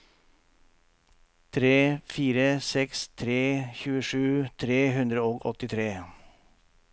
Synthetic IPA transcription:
t̪ʰɾeːfiːɾəsɛkst̪ʰɾeːçʉːəʂʉːt̪ʰɾeːɦʉnd̪ɾəoːɡɔt̪ɪt̪ʰɾeː

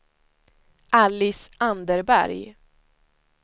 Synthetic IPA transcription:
ʔalːɪsʔand̪əɾbæ̰ɾj

